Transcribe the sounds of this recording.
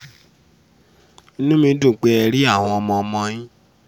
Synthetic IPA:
i˦nũ˦mĩ˧˦do˦˨k͡pɛ˧˦ɛ˧ɾi˦a˦˨w̃ɔ̃˧ɔ˧mɔ̃˧ɔ˧mɔ̃˧jĩ˦

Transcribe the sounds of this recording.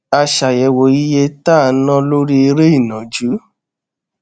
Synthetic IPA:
a˧ʃa˨jɛ˨wo˨i˦je˦ta˦˨˦nã˦lo˦ɾi˦i˧ɾe˦i˦˨nã˨d͡ʒu˨˦

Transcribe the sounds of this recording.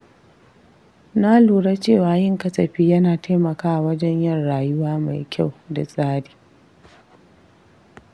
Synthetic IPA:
na˦luː˨ɽa˦t͡ʃeː˦˨waː˨jɪ˦ŋkɐ˦sɐ˨ɸiː˦jɐ˦naː˨tʰa˦mɐ˨kaː˦ʔwɐ˦d͡ʒɛ˦ɲjɐ˦nɽaː˨jʊ˦waː˦ma̰˨jkʲʰa˦˨wda̰˨sʼaː˦di̥ː˨

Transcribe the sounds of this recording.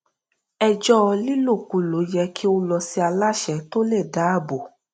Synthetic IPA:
ɛ˧d͡ʒɔ˦ɔ˧li˦lo˦˨ku˧˦lo˨˦jɛ˧kʰi˦o˧˦lɔ˧si˦a˧la˦˨ʃɛ˧˦to˦le˦˨da˨˦a˦˨bo˨

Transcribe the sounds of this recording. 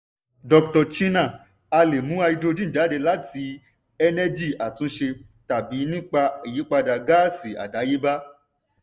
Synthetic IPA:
dɔ˧k̚tɔ˧t͡ʃi˦nã˦˨ | a˧le˨mũ˨˦a˧i˧do˧dĩ˦˨da˨˦de˧la˦tʰi˧˦ | ɛ˧nɛ˧d͡ʒi˦˨a˨tũ˨˦ʃe˧ | ta˨bi˨˦nĩ˦k͡pa˧i˨ji˨˦k͡pa˧da˨ɡa˦˨si˦˨a̰˨da˨˦je˦ba˦

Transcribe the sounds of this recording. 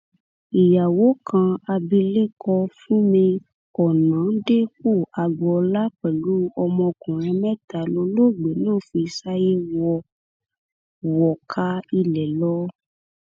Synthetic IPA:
i˨ja˨wo˨˦kʰã˧a˧bi˧le˦kɔ˧fũ˦mĩ˧ | ɔ˨nã˨˦de˦k͡po˦˨a˨ɡ͡bɔ˧la˦k͡pɛ˨lu˨˦ɔ˧mɔ̃˧kũ˨ɾ̃ɛ̃˧mɛ̃˦˨ta˨lo˧˦lo˦˨ɡ͡be˨nãː˦˨˦fi˧i˧sa˦je˦wɔ˧˨ | wɔ˨kʰa˧˦i˧lɛ˨lɔ˦

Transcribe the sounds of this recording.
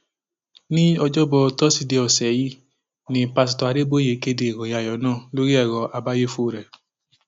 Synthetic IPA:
nĩ˦ɔ˧d͡ʒɔ˦bɔ˧tɔ˦si˧de˧ɔ˨sɛ˨˦ji˦ | nĩ˧pa˧s̬i˨tɔ˧˨a˧de˦bo˦je˨˦ke˦de˨wɔ˨ja˧˨jɔ˨˦nãː˦˨lo˦ɾi˦ɛ˦˨ɾɔ˧ʔa˧ba˦je˦fo˦˨ɾɛ˨

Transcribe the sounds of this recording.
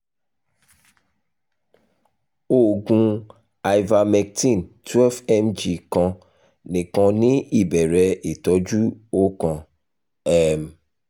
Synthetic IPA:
o˦˨ɡũ˧ | a˨jva˧mɛ˧˨k̚tĩ˦˨ntwɛ˦fɛ˦md͡ʒi˧kɔ̃˧ | nĩ˨kɔ̃˧nĩ˦i˦˨bɛ˨ɾɛ˨˦e˨tɔ˨˦d͡ʒu˦o˦kɔ̃˧ | ɛ˦m

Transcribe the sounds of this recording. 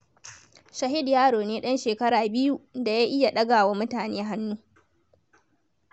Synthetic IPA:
ʃɐ˨ɦɪ˦djaː˦ɽoː˨neː˦ɗɐ˦nʃeː˨kɐ˦ɽaː˨bɪ˦ju˦da˨jaː˦ʔɪ˦ja˨ɗɐ˦ɡaː˨waː˦mʊ˦taː˨neː˦ɦa˦nːuː˦

